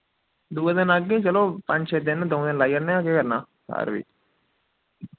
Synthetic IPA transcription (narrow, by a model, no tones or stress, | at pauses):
d̪uːad̪ɪnəɡːeːt͡ʃəloːpə̃ɲd͡ʒʃed̪ɪnd̪õːd̪ɪnlaːjəɾneãːkekəɾnaː | sa̰ːɾʋḭː